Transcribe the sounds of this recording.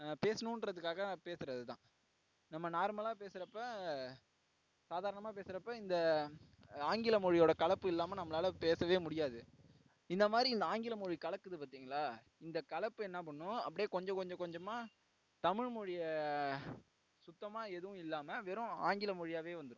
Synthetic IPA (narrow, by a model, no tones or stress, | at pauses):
peːsɐnũnrɐðɯkːaːɣɐpeːsɯɾɐðɯt̪ã̰ː | nɐmːɐnaːɾmɐlaːpeːsɯɾɐpːɐ | saːðaːɾɐɳɐmaːpeːsɯɾɐpːɐɪnd̪ɐ | aːŋɡɪlɐmɔɻɪjoːɽɐkɐɭɐpːɯɪlːaːmɐnɐmːɐlaːlɐpeːsɐʋeːmʊɽɪjaːðɯ | ɪnd̪ɐmaːðɾiɪnd̪ɐaːŋɡɪlɐmɔɻikɐɭɐkːɯðɯpaːɾt̪iːŋɡɐɭaː | ɪnd̪ɐkɐɭɐpːɯɛnːɐp̬ɐɳːʊ̃ɐ̰pːɐɽɪjeːkɔɲd͡ʒɔ̃kɔɲd͡ʒɔ̃kɔɲd͡ʒɐmːaː | t̪ɐmɪɻmɔɻɪjɐ | sʊt̪ːɐmaːɛðɯʋʊ̃ɪlːaːmɐʋeːɾʊ̃a̰ːŋɡɪlɐmɔɻɪjaːʋeːʋɐnd̪ɯɾʊ̃